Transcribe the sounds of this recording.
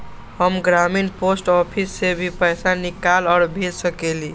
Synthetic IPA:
həmɡɾaminposʈɔpʰisːebʱipəɪsanikalɔːɾbʱelsəkeli

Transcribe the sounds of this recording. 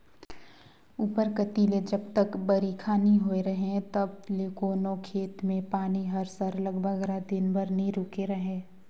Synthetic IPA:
uːpəɾkət̪iled͡ʒɐbt̪əkbɐɾikʰaːnĩɦoeɾɐɦet̪ɐbleːkoːnokʰeːt̪mẽpaːniɦəɾsəɾləɡbʱəɡɾad̪ɪnbəɾnɦĩɾʊːkeɾɐɦẽː

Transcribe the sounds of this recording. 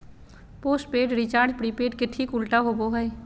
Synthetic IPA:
poːsʈ̚peːɖɾɪt͡ʃaːɾd͡ʒpɽiːpeːʈkɪt̪ʰːikʊlʈaɦoboɦɛe

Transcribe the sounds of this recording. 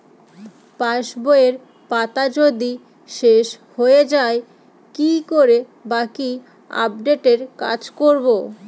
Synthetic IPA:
paʃboeɾ | pat̪ad͡ʑod̪i | ʃeʃ | hoed͡ʑae | kikoɾe | baki | a̰p̚ɖeʈeɾka̰d͡ʑkoɾbo

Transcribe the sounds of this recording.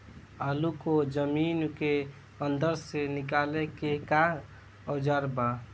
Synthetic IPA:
əlukod͡ʒəminke | ənd̪əɾsenik̬alekeka | əd͡ʒaɾba

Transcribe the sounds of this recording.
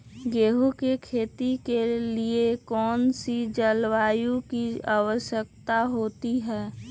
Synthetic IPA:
ɡeːɦukekʰeːt̪ikeliekɔːnsid͡ʒəlwaːjũkiaːwəʃjək̚t̪aɦoːt̪iɦɛː

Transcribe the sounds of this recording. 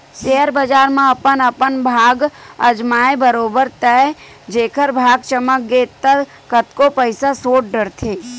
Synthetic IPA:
ʃeːəɾbəd͡ʒaːɾmãɐpənəpənbʱaːɡəd͡ʒmaːebəɾoːbəɾt̪ɛ | d͡ʒeːkʰəɾbʱaːɡt͡ʃəmək̚ɡeːt̪ːə | kət̪kopəɪsasoːʈ̚ɖəɾt̪ʰeː

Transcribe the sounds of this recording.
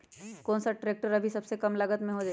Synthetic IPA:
koːnsaʈɾeːk̚ʈəɾɐbʱisɐbsekɐmlɐɡət̪mẽɦod͡ʒaː

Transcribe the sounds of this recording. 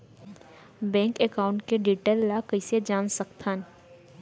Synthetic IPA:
bɛ̃ːŋkɛkaːʊ̃ɳʈkeɖiːʈelːakəɪsed͡ʒaːnsəkt̪ʰaːn

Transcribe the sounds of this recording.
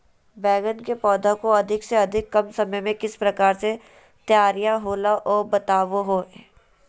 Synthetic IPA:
bɛːɡənkepɔːd̪akoɐd̪ʱɪkseɐd̪ʱɪkːɐmsɐməjmẽkɪspɾɐkaːɾse | t̪jaːɾijaɦoːlaʔɔːbɐt̪aːʋoɦoː

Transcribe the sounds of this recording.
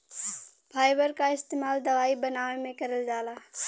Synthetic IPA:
pʰaːjbəɾkaɪst̪eːmaːld̪əʋaːibənaːʋemẽkəɾəld͡ʒaːlaː

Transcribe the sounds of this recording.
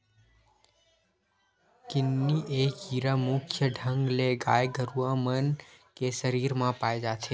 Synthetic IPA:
kɪnːiʔekiːɾamʊkʰjəɖʱə̃ŋɡleɡaːjɡʱəɾuãmənkeʃəɾiɾmãpaːjd͡ʒat͡ʃʰeː

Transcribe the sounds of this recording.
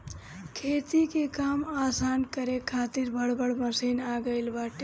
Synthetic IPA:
kʰet̪ikekamasankəɾekʰːat̪iɾbəɽ̤bəɽməsinaɡəɪlbaːʈe

